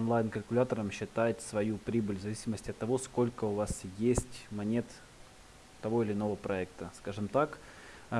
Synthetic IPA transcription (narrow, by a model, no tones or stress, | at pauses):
onlˠajnkəlʲkʊlʲat̪əɾəmɕːɪt̪ajɪt̪ʲsvɐjupɾʲibɨlʲvzɐvʲisʲɪməsʲtʲɐt̪ːɐvo̞sko̞lʲkəʊvasjesʲtʲmɐnʲe̞t̪ | t̪ːɐvo̞ɪlʲɪno̞vəpɾɐɛkt̪əskaʐɨmt̪ak